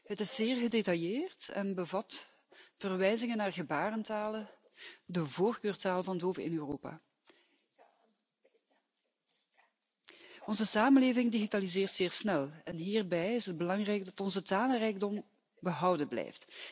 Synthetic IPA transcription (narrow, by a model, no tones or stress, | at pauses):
ɦətɪszeːrɣədetɑjeːrtɛ̰nbəvɑt | v̥ərʋɛjzɪŋənaːrɣəbaːrəntaːlə | dəvoːrkøːrtaːlvɑntoːvəʔɪ̰nøːroːpa̰ː | ɔnzəsaːmənleːvɪŋdiɣitaːlizɪːrtzeːrsnɛlˠɛnɦiːrbɛjɪsɦəd̚bəlɑŋrɛjɡ̚dɑtɔnzətaːlərɛjɡ̚dɔm | bəɦʌwdəblɛ̰jft